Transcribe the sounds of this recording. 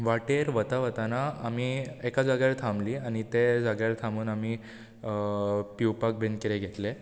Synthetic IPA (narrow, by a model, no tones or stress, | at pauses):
ʋaʈeɾʋət̪aʋət̪anaamiekad͡zaɡjaɭt̪ʰamliːaɽ̃it̪ed͡zaɡjaɭt̪ʰamuːnami | piwpak̚bʱenkiɾeɡʱet̪le